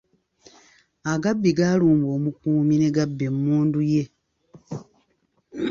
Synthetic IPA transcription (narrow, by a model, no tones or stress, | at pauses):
aɡabːiɡaːluːmbo̞ːmukuːmine̞ɡabːemːuːnduje̞